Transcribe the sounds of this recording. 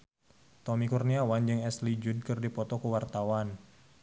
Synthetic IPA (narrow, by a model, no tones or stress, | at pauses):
t̪ɔmikurniawand͡ʒɨŋɛslid͡ʒudkɨrdipɔt̪ɔkuwart̪awan